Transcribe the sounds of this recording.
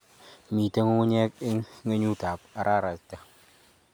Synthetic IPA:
mi˨ta˦ŋu˦ɲɛ˦k̚ɪ˦ŋ˦ŋe˦ɲu˦ta˨p̚a˨ɾʔaː˦˨ɾa˨sta˨

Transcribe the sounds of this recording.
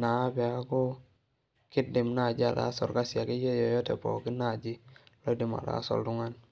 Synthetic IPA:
na˨a˦bɛ˨a˦ko˦ | kɪ˦dɪ˨mna˦˨d͡ʒi˦a˨da̰˦sɔ˨ɾka˦sa˨ki˦je˦jɔ˨jɔ˦tɛ̰˨pɔ̰˨ki˦na˨d͡ʒi˦lo˦di˨ma̰˨da̰˦sɔ̰˨ldu˦ŋa˦n

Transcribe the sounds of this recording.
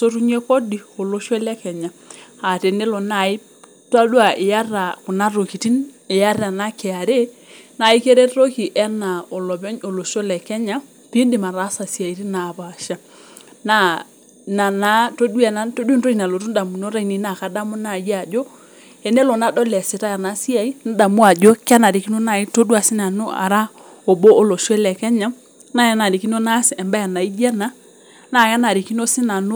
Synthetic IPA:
so˦tu˦ɲe˦ko˦di˨o˨lo˦ʃɔ˦lɛ˦kɛ˨ɲa˨a˨te˨ne˦lɔ˨na˦˨i˦ | ta˦dwa˨ʔɪ˨ja˦ra˨ku˨na˦ɾo˨ki˨ti˦nɪ˨ja˦ra˨na˦kɛ˨a˨ɾe˦ | na˨i˦ke˦ɾe˦ɾo˦ki˨ʔɛ˦na˨ɔ˨lɔ˨bɛ˦ɲo˨lo˨ʃo˦lɛ˨kɛ˦ɲa˦ | pi˦ndi˨ma˨ɾa˦sa˨si˨a˨i˨˦ɾi˦na˨ba˨ʃa˦ | na˦˨ | na˨na˦to˦dwɛ˨na˨to˦di˦nto˦i˨na˨lo˨tu˦n˦da˨mu˨no˦ɾa˦i˨˦ni˨na˨ka˨da˦mo˦na˨ja˨d͡ʒɔ˦ | ɛ˨nɛ˦lɔ˨na˦dɔ˦lɛ˨sɪ˨ta˦ja˨na˨˦si˦a˨i˦n˦da˨mu˦a˨d͡ʒo˦ka˦na˨ɾi˨ki˦no˦na˨i˦to˦dwa˨sɪ˦na˨no˦a̰˨ɾa˦ | o˨bo˦o˦lo˨ʃɔ˦lɛ˨kɛ˦ɲa˦ | na˨ja˦na˨ɾi˨ki˦no˦na˦si˨ɛ˨mba˦ja˨na˨i˦d͡ʒa˦na˨˦ | na˨ja˦na˨ɾi˨ki˦no˦sɪ˦na˨no˦

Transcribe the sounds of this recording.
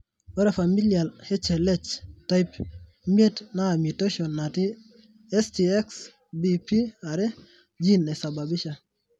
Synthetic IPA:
wɔ˦ɾe˨fa˨mi˦lija˨lhe˦t͡ʃe˨le˦t͡ʃta˦jp | mje˦tna˦˨mi˨te˦ʃɔ˨nːa˨ti˦ | ɛ˦sti˨ɛ˦ks | bi˨pi˦a˨ɾe˦ | d͡ʒi˦ne˨sa˨ba˨bi˦ʃa˨

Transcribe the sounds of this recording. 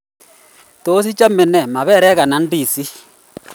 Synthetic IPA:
to˦s̬i˦t͡ʃa˦mɛ˨nɛ˨ma˨βɛ˦ɾɛ˦ɣa˨na˨˦n˦di˦˨si˦

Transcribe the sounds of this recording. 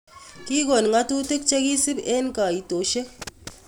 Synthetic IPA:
ki˦ɡo˨n˨ŋa˦tu˦te˦k̚t͡ʃe˦ɡi˦si˦be˦nka˨i˨to˨ʃe˦

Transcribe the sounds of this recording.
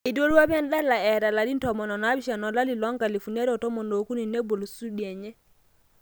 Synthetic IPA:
i˨do˦ɾwa˦bɛ˦nɗa˦la˨ɛ˨da˨la˨li˦ntɔ˨mɔ˨nɔ˨na˦bi˦ʃa˨nɔ˨la˦li˨lɔ˦ŋɡa˨li˨fu˨ne˦ɾɔ˨tɔ˦mɔ˨no˨ku˦ni˨ne˦bo˨lu˨su˦ɗi˨ɛ˨ɲɛ˦

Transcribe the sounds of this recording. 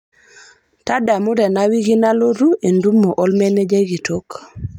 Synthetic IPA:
ta˦da˨mu˦ɾe˨nawi˦ɡi˦na˦lo˦ɾu˦ʔe˨ndu˦mːo˨ʔo˦lmene˦d͡ʒe˦ɡi˨tok

